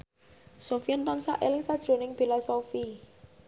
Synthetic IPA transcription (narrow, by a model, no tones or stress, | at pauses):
sofiɔnt̪ɔnsa̰ʔelɪŋsad̥ʒ̥ɾo̤nɪŋfilasofi